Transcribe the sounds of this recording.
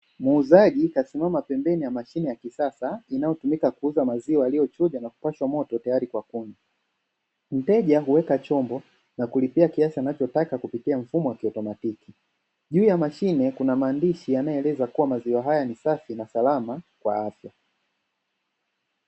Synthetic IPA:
muːzaʄikasimamapɛmbɛnijamaʃinɛjakisasainajɔtumikakuuzamaziwaːlijɔt͡ʃɔʄanaku̥paʃwamɔtɔtajaɾikwakuna | m̩tɛʄaɦuwɛkat͡ʃɔmbɔ | nakulipiakiasianat͡ʃɔtakakupitiaɱ̩fumɔwakiɔtɔmatiki | ʄuːjamaʃinɛkunamaːndiʃianajɔɛlɛzakuwamaziwaɦajanisafinasalamakwa̰afja

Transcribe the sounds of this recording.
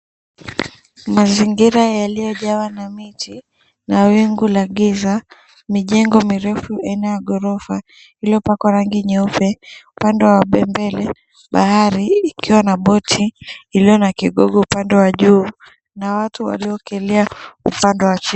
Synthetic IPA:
maziŋɡiɾajalijɔʄawanamitʰi | nawiŋɡulaɠiza | miʄɛŋɡɔmiɾɛfuainajaɠɔɾɔfa | iliɔpakwaɾaŋɡiɲɛupɛupandɛwaɓɛmbɛlɛ | ɓahaɾiːkiwanaɓɔtʰiːlijɔnakiɠɔɡɔupandɛwaʄuː | nawatuwa̰liɔkɛliaṵpandɛwat͡ʃi

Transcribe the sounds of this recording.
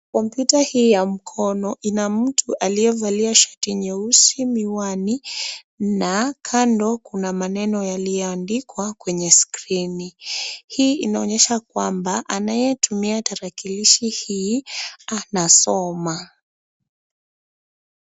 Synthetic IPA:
kɔmpjutahiːjam̩kʰɔnɔʔinam̩tʰuʔalijɛvaliaʃɔ̥tiɲɛusimiwani | nakʰandɔkunamanɛnɔjalijɛandikwakwɛɲɛskɾinihiːinaɔɲɛʃakwambaʔanajɛtumiataɾakiliʃihi | anasɔma

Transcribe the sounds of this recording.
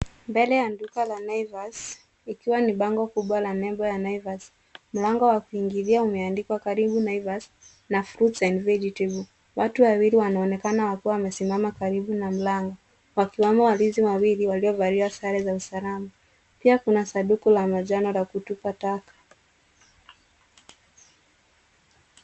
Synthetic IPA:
mbɛlɛjandukalanajvas | ikiwaniɓaŋɡɔkuɓwalanɛmbɔjanaivas | m̩laŋɡɔwakuiŋɡiðiaumɛandikwakaɾiɓunaivas | nafɾutsainvɛd͡ʒitiv | watuwawiliwanaɔnɛkanawakuwawamɛsimamakaɾiɓunam̩laŋɡɔ | wakiwamawaliziwawiliwaliɔvaɾiasaɾɛzausalama | piakunasaɗukulamaʄanɔlakutupatakḁ

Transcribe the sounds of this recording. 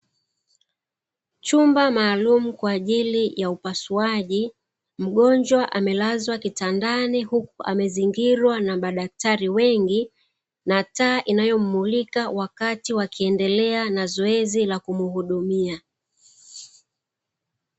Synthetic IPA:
t͡ʃumbamaːlumukwaːʄilijaupasuaʄi | m̩ɠɔɲd͡ʒwaʔamɛlazwakitandanihukuʔa̰mɛziŋɡiɾwanamaɗak̚taɾiwɛŋɡi | nataːʔinajɔm̩mulikawakatiwakiɛndɛlɛanazɔɛzilakumuhuɗumia

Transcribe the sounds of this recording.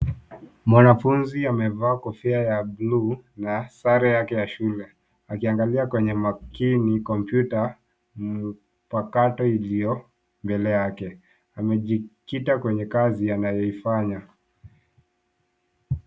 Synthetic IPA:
mwanafunziamɛvaːkɔfɛajablunasaɾɛjakɛjaʃulɛ | akiaŋɡaliakwɛɲɛmakinikɔmpjuta | m̩ | pakatɔilijɔ | mbɛlɛjakɛ | amɛʄikitakwɛɲɛkazijanajɔifaɲa

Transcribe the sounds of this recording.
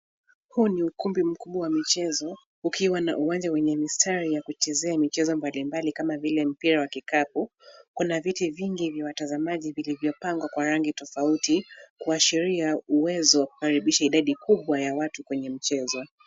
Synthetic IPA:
huniukumbim̩kuɓwawamit͡ʃɛzɔ | ukiwana̰ʔuwand͡ʒawɛɲɛmistʰaɾijakut͡ʃɛzɛamit͡ʃɛzɔmbalimbalikamavilɛm̩piɾawakikap̚u | kunavitiviŋɡivjawatazamaʄivilivjɔpaŋɡwakwaɾaŋɡitɔfautikuaʃiɾiauwɛzɔwaku̥kaɾiɓiʃaiɗaɗikuɓwajawatukwɛɲɛm̩t͡ʃɛzɔ

